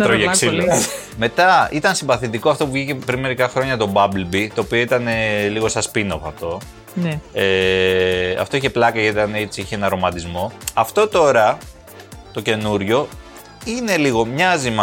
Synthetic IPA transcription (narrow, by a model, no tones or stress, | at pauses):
t̪ɾoʝeksil | me̞t̪ɐit̪ɐnsimbɐθit̪iko̞ɐft̪o̞puvʝice̞pɾinme̞ɾikɐxɾo̞ɲɐt̪o̞bɐblbit̪o̞ːpio̞it̪ɐne̞liɣo̞sɐspinofɐft̪o̞ | ne | ɐ̰ft̪o̞içe̞plɐkɐʝɐit̪t̪ɐnet͡siiçeenɐɾo̞mɐt̪izmo̞ɐft̪o̞t̪o̞ɾɐ | t̪o̞ce̞nuɾʝo̞ | ine̞liɣo̞mɲɐzimɐ